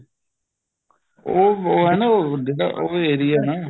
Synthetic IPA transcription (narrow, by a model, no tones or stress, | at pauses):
oːoːɦɛːnaːoːd͡ʒeːɽa̰ːʔoːeeːɾɪːɛːnaː